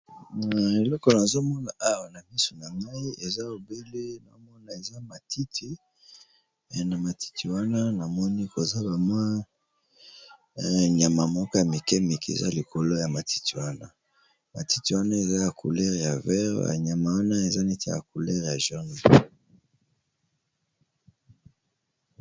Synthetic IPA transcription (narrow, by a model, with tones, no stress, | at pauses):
e˨lɔ˦kɔ˨na˨zo˦mɔ˦na˨ʔa˦wa˨na˨bi˦so˨na˨ŋa˦i˦e˨za˦o˨be˦le˦na̰˨o˦mɔ˦na˨e˨za˦ma˨tʰi˦tʰi˨ | na˨ma˨tʰi̥˦tʰi˨wa˦na˦na˨mɔ˦ni˦ko˨za˦ba˨mwa˦ | ɲa˨ma˨mɔ˦ka˦ja˨mi˨kɛ˦mi˨kḛ˨za̰˦li˨ko˨lo˦ja˨ma˨ti̥˦ti˨wa˦na̰˦ | ma̰˨ti˦ti˨wa˦na˦e˨za˦ja˨kʰu˨lɛ˦ʁja˨vɛ˦ʁja̰˨ɲa˨ma˨wa˦na˦e˨za˦ni˦tḛ˦ja̰˨ku˨lɛ˦ʁja˨ʒa˦n˨